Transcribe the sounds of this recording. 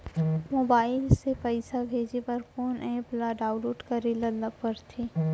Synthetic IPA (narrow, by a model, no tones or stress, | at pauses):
moːbaːɪlsepəɪsabʱeːd͡ʒepɐɾkoːnʔɛ̃ːplaɖaːʊloːʈkaɾelɐləpɐɾt̪ʰiː